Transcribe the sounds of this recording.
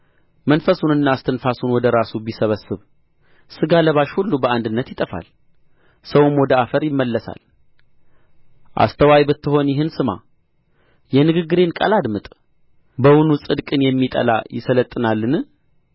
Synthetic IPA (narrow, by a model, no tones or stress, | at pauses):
mənfəsunɨnːast̪ʰɨnfasunwɔd̪əɾasubisəβəsːɨβ | sɨɡaləβaʃhulːubəand̪ɨnːət̪jɪt̪ʼəfa̰l | səwumwɔd̪əafəɾjɪmːəlːəsa̰l | ʔa̰st̪ʰəwajbɨt̪ːɨho̞njɪɦɨnsɨma̰ | jɛnɨɡɨɡːɨɾe̞nkʼa̰lad̪mɨt̪ʼ | bəwunusʼɨd̪kʼɨnjɛmːit̪ʼə̰la̰jɪ̰sələt̪ʼːɨnalːɨnɨ